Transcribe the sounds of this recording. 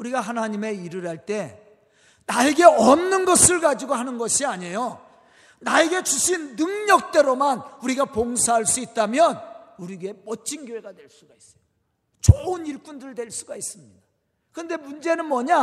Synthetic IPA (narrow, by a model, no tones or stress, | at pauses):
uɾiɡaɦanaɲime̞iɾɯɾaɭt͈e̞ | naeɡe̞ʌnnɯnɡʌsʰɯɭɡad͡ʑiɡohanɯnɡʌɕʰiaɲe̞jo | nae̞ɡe̞t͡ɕuɕʰinːɯŋɲʌk̚t͈e̞ɾomanuɾiɡapoŋsʰaɦaɭs͈uit̚t͈amjʌnuɾiɡemʌt͡ɕʰinɡjoɦe̞ɡadwe̞ɭs͈uɡais͈ʌ̥jo | t͡ɕoɯniɭp͈undɯɭdwe̞ɭs͈uɡais͈ɯmɲid̥a | kɯnde̞mund͡ʑe̞nɯnmʌɲa